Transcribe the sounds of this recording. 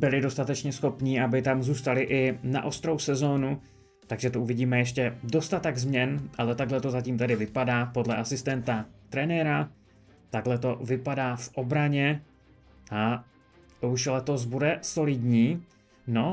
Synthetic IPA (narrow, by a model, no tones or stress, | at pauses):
bɪlɪdo̞st̪at̪ɛt͡ʃɲɛsxo̞pɲiʔabɪt̪amzuːst̪alɪʔɪna̰ʔo̞st̪ɾo̞wsɛzo̞ːnu | t̪aɡʒɛt̪oʔuvɪɟiːmɛjɛʃcɛdo̞st̪at̪ɛɡzmɲɛnʔalɛt̪aɡlɛt̪o̞zaciːmt̪ɛdɪvɪpadaːpo̞dlɛʔasɪst̪ɛnt̪at̪ɾɛnɛɾa | t̪aɡlɛt̪o̞vɪpadaːfʔo̞bɾaɲɛ | ʔa | t̪uʃlɛt̪o̞s̬budɛso̞lɪdɲiː | no̞